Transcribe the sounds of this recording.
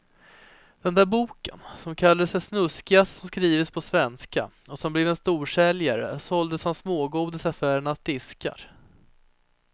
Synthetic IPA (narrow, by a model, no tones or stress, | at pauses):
d̪̥ɛnd̪æːɾbuːkə̰nsɔmkʰalːad̪əsɛsnɵskɪassɔmskɾiːvəspʰɔsvɛnska̰ɔsɔmblevɛnst̪uːʂɛljaɾə̰sɔld̪əshansmoːɡuːd̪əsafæːɾəɳasd̪ɪska̰ɾ